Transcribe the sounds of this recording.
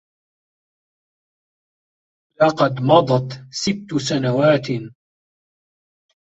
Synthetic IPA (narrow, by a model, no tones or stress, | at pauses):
lɑqɑd̪mɑd̪ˤɑt̪sɪbt̪ːsanawaːt̪